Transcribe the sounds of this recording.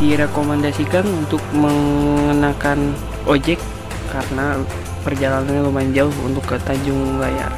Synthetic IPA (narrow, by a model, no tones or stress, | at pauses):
diɾekomandasikanunt̪ʊk̚məŋənakan | ʔod͡ʒɛkː | aɾəna | pərd͡ʒalananɲalomaɲd͡ʒaɦṵnt̪ʊkːət̪aɲd͡ʒʊŋulaja̰